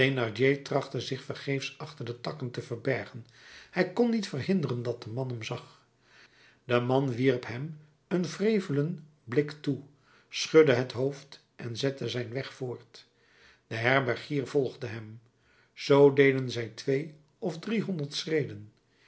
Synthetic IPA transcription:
tenɑɹd͡ʒetrɑχtəzɪχfəɹχejfsɑχtəɹdətɑkəntəvəɹbɛɹχənhɛjkɔnːitfərhɪndərəndɑt̚dəmɑnɦɛmzɑχ | dəmɑnʋiɹpɦɛm | ənvrejvələn | blɪktu | sχɵdəɦətɦowft | ʔɛnzɛtəzɛjnʋɛχfʊːɹt | d̥əɦɛɹbɛɹχiːɹv̥ɔlˠχdəɦɛm | z̥owdejdənzɛjtʋej | ɔvdriɦɔndəɹtsrejdən

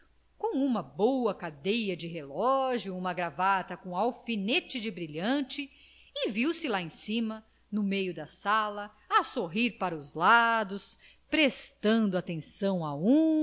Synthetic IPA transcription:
kõw̃ũmɐbowɐkad̪ejɐd͡ʒɪɦelɔʒjʊũmɐɡɾavat̪ɐkõawfinet͡ʃɪd͡ʒɪbɾiʎɐ̃t͡ʃɪ | ɪviwsɪlaẽsĩmɐ | nʊmejʊd̪ɐsalɐ | ɐsoɦiɾpaɾɐʊzlad̪ʊs | pɾest̪ɐ̃d̪ʊat̪ẽsɐ̃w̃aũ

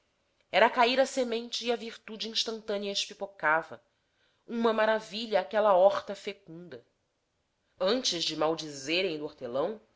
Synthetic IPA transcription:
ɛɾɐkaiɾɐsemẽnt͡ʃɪːɐviɾt̪ud͡ʒɪĩʃt̪ɐ̃nt̪ɐ̃niɐeʃpipokavɐ | ũmɐmaɾaviʎɐːkɛlɐɔχt̪ɐfekũnd̪ɐ | ɐ̃nt͡ʃɪzd͡ʒɪmawd͡ʒizeɾẽj̃d̪ʊoɾt̪elɐ̃w̃

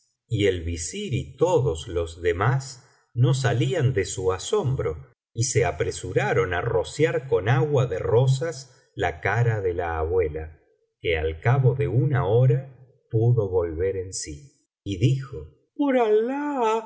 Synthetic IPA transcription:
ielβisiɾit̪oðozlo̞zðemas | no̞s̬aliand̪esuaso̞mbɾo̞ | iseapɾesuɾaɾo̞na̰ro̞sjaɾko̞naɣwaðero̞s̬as | lakaɾaðelaːβwe̞la | kea̰lkaβo̞ðe̞unaoɾa | puðo̞βo̞lβeɾensiː | ðixo | poɾala

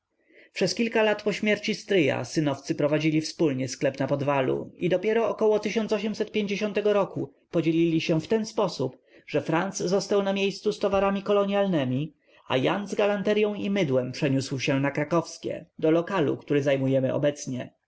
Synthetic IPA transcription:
pʂɛskʲilkalat̪pɔɕmʲjɛɾt͡ɕist̪ɾɘja̰sɘnɔft̪sɘpɾɔvad͡ʑilʲifspulɲɛsklɛpnapɔd̪valṵid̪ɔpʲjɛɾɔːkɔwɔt̪ɘɕɔnt̪sɔɕ̬ɛmsɛt̪̚pʲjeɲd͡ʑeɕɔnt̪ɛɡɔɾɔku | pɔd͡ʑelʲilʲiɕɛft̪ɛnspɔsup | ʐ̥ɛfɾant̪szɔst̪awnamʲjejst̪sust̪ɔvaɾamʲikɔlɔɲjalnɛmʲi | a̰janzɡalant̪ɛɾjɔ̃w̃imɘd̪wɛmpʂɛɲuswɕɛnakɾakɔfskʲɛ̰d̪ɔlɔkalṵkt̪uɾɘzajmujɛmɘɔ̰bɛt̪sɲɛ̰

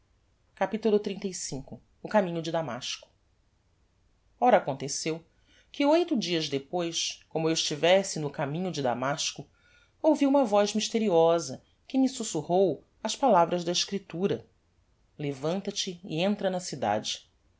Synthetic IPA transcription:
kapit̪ulʊt̪ɾĩnt̪ejsĩŋkʊː | kamĩɲʊd͡ʒɪd̪ama̰ʃkʊ̥ | ɔɾɐːkõnt̪esew | kɪojt̪ʊd͡ʒiɐzd̪epojʃkõmʊewɪʃt͡ʃivɛsɪnʊkamĩɲʊd͡ʒɪd̪a̰maʃkʊ | owviũmɐvɔjzmiʃt̪eɾiɔzɐ | kɪmɪsusuhow | ɐʃpalavɾɐzd̪ɐɪʃkɾit̪uɾɐ | levɐ̃nt̪ɐt͡ʃɪ̰ːẽnt̪ɾɐnɐsid̪a̰d͡ʒɪ

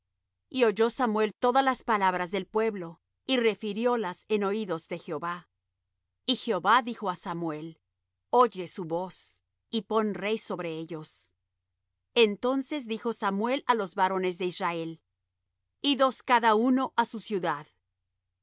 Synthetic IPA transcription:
io̞ʝo̞samwe̞lt̪o̞ðalaspalaβɾazðe̞lpwe̞βlo̞ | ire̞fiɾjo̞lase̞no̞iðo̞zðe̞xjeoβa | ixeo̞βaðixo̞asamwe̞l | o̞ʝe̞suβo̞s | ipo̞nre̞jso̞βɾe̞eʝo̞s | ent̪o̞nse̞zðixo̞samwe̞lalo̞zβaɾo̞ne̞zðe̞israe̞l | iðo̞skaðauno̞ʔasusjuðað

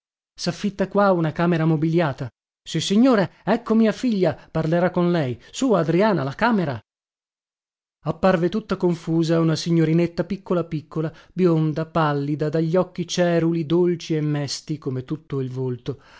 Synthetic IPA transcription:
safːit̪ːakwaunakaːmeɾamobiljaːt̪a | sisːiɲːoːɾeɛkːomiːafiʎːaparleɾakːonlɛjsuːaːd̪ɾiaːnalakaːmeɾa̰ | apːarvet̪ut̪ːakoɱfuːzaunasiɲːoɾinet̪ːapikːolapikʰːolabjond̪apalːid̪ad̪aʎːɔkːit͡ʃɛːɾulid̪olt͡ʃiemːɛst̪ikomet̪ut̪ːoilvolt̪o

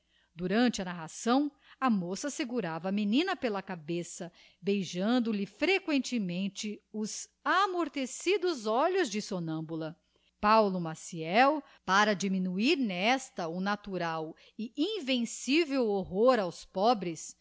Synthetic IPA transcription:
d̪uɾɐ̃nt͡ʃɪɐnaɦasɐ̃w̃ | ɐmosɐseɡuɾavɐminĩnɐpelɐkabesɐ | bejʒɐ̃nd̪ʊlɪfɾekwẽnt͡ʃɪmẽnt͡ʃɪʊzamoɾt̪esid̪ʊzɔʎʊzd͡ʒɪsonɐ̃bulɐ | pawlʊmasiɛw | paɾɐd͡ʒiminuiɾnɛst̪ɐʊnat̪uɾaw | ɪʔĩvẽsivewoɦoɾawspɔbɾɪs

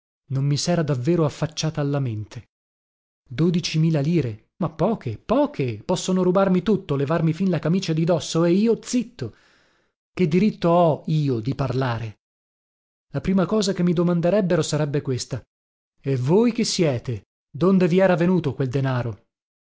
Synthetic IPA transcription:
nommisɛːɾad̪avːeːɾoafːat͡ʃːaːt̪aːlːament̪ʰe | d̪oːd̪it͡ʃimiːlaliːɾe | mapːɔːkʰepɔːkʰepɔsːonoɾubarmit̪ut̪ːolevarmifinlakamiːt͡ʃad̪id̪ɔsːoeiːot̪sit̪ːo | ked̪ːiɾit̪ːoɔiːod̪iparlaːɾe | lapɾiːmakɔːzakemːid̪omand̪eɾɛbːeɾosaɾɛbːekwest̪a | evojk̟esːjɛːt̪e | d̪ond̪eviɛːɾavenuːt̪okweld̪enaːɾo

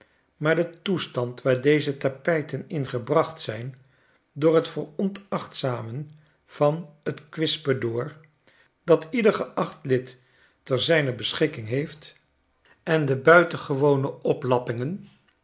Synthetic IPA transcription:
maːɹdətustɑntʋaːɹdejzətapɛjtənɪnχəbrɑχtsɛjn | dʊːɹɦətfəɹɔntɑχtsaːmən | v̥ɑnətkʋɪspədoːɹ | d̥ɑtidəɹχəʔɑχtlɪtː | ɛɹzɛjnəbəsχɪkɪŋɦejft | ɛndəbœɥtəχəʋownəɔplɑpɪŋən

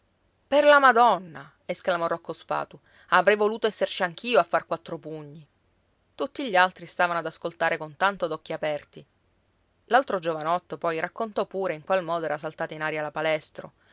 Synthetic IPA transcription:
perlamad̪ɔnːa | esklamɔrːɔkːospa̰ːt̪u | avɾɛjvoluːt̪oɛsːert͡ʃiaŋk̟iːoafːarkwat̪ːɾopuɲːi | t̪ut̪ːiʎːialt̪ɾist̪aːvanoad̪askolt̪aːɾekont̪ant̪od̪ɔkːiapɛrt̪i | lalt̪ɾod͡ʒovanɔt̪ːopɔjɾakːont̪ɔpːuːɾeiŋkwalmɔːd̪oɛɾasalt̪aːt̪ainaːɾjalapalɛst̪ɾo

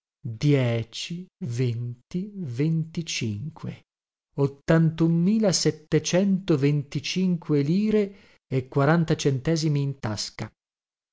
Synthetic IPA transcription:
d̪jɛːt͡ʃivent̪ivent̪it͡ʃiŋkʰwḛ | ot̪ːant̪umːiːlasɛt̪ːet͡ʃɛnt̪ovent̪it͡ʃiŋkʰweliːɾeː | kːwaɾant̪at͡ʃent̪ɛːzimiːnt̪aska

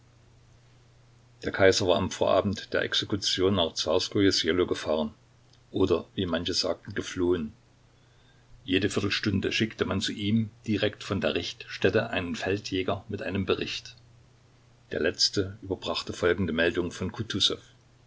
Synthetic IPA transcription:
d̥eːɐkʰaɪzɐvaːɐamfoːɐʔa̰ːbm̩td̥eːɐʔɛ̰ksekut͡sjoːnːaːχt͡saːskojosjeloɡəfaːʁən | ʔoːdɐviːmançəz̥a̰ːk̚tn̩ɡəfloːən | jeːdəfɪɐtl̩ʃtʊndəʃɪktəmant͡suʔiːmd̥iʁɛktfɔndeːɐʁɪçtʃtɛtəʔaɪnənfɛltjɛːɡɐmɪtʔaɪnəmbəʁɪçt | d̥eːɐlɛt͡stəʔyːbɐbʁaχtəfɔlɡŋ̩dəmɛldʊŋəfɔnkʰutʰusɛf

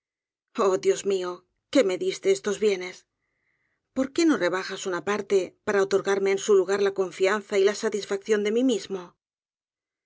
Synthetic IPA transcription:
o̞ðjo̞zmio̞ | ke̞me̞ðist̪e̞est̪o̞zβje̞ne̞s | po̞ɾke̞no̞re̞β̞axasunapaɾt̪e̞paɾaot̪o̞ɾɣaɾme̞ːnsuluɣaɾlako̞ɱfianθailasat̪isfak̚θjo̞nd̪e̞mimizmo̞

